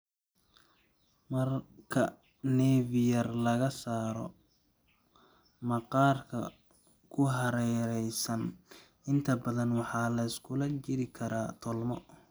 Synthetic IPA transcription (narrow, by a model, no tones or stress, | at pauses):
mɐrkʰɐ | nɛːvɪjɐrlɐɣɐsaːɾɔ̰ | mɐqɑːrkʰɐ̰ | kʰʊɦɐɾɛɾɛjsɐn | ɪnt̪ʰɐbɐðɐnwɑħɑːlɐɪskʰʊlɐt͡ʃɪɾɪkʰɐɾaːt̪ʰɔlmɔ̰